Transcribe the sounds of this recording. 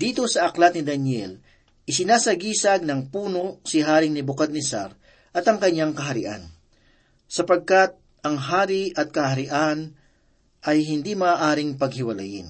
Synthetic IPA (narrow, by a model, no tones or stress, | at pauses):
d̪iːt̪o̞sɐʔɐklɐt̪̚nɪd̪ɐnjɛl | ʔɪsɪnaːsɐɡiːsɐɡ̚nɐŋpuːnosɪɦaːɾɪŋnɪbʊkad̪̚nɪsa̰ɾ | ʔɐt̪ɐŋkɐɲːaŋkɐɦɐɾɪ̰ʔa̰n | sɐpɐɡ̚kɐt̪̚ | ʔɐŋɦaːɾɪʔɐt̪̚kɐhɐɾɪʔan | ʔɐjɦɪnd̪imɐːʔaːɾɪŋpɐɡ̚hɪwɐla̰jɪ̰n